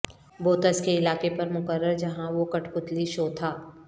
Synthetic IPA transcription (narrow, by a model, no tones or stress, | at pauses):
boːt̪əskeɪlaːkepɐɾmʊkəɾːəɾd͡ʒɐɦãʋokɐʈʰpʊt̪liʃoːt̪ʰaː